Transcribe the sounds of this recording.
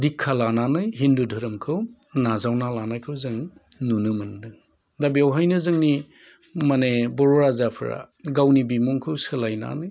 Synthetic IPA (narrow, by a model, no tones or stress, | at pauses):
dikʰːalananɯjɦindudʱɯɾɯmkʰɯw | nazawnalanajkʰɯwzɯŋnunɯmɯndɯŋ | dabiawɦajnɯzɯŋni | manebɔɾɔɾazapʰɯ̰ɾa̰ | ɡawnibimuŋkʰɯwsɯlajna̰nɯj